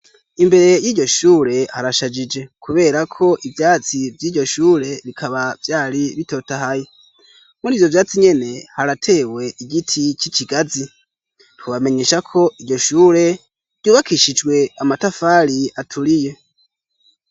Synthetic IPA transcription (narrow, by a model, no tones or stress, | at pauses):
imbe̞ɾe̞jiːɟo̞ʃuːɾe̞haɾaʃad͡ʒid͡ʒe̞kʰuβe̞ːɾakʰo̞ʔivjaːt͡sivjiːɟo̞ʃuːɾe̞βikʰaβavjaːɾiβito̞ːtaɦaje | muɾiːvjo̞vjaːt͡siɲe̞ne̞haɾatʰe̞we̞ʔiɡitʰit͡ʃiciɡazi | twuβame̞ɲe̞ːʃakʰo̞ʔiɟo̞ʃuːɾe̞ | ɟuːβakiʃid͡ʒɡwe̞amatafaɾiatʰuɾije̞